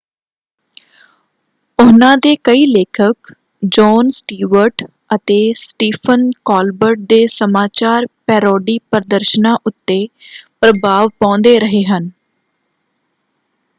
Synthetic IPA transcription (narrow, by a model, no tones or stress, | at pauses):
ʊnãːd̪eːkəiːleːkʰək | d͡ʒɔːnsʈiːʋəɾʈ | ət̪eːsʈiːpʰənkɔːlbəɾʈ̚d̪eːsəmaːt͡ʃaːɾpɛːɾɔːɖiːpəɾd̪əɾʃənãːʔʊt̪ːeːpɾəbaːʋpãːnd̪eːɾəɦeːɦən